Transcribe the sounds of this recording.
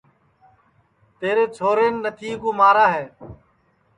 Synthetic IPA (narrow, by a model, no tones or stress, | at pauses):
t̪eːɾeːt͡ʃʰoːɾeːnːət̪ʰiːkoːmaːɾaːɦeː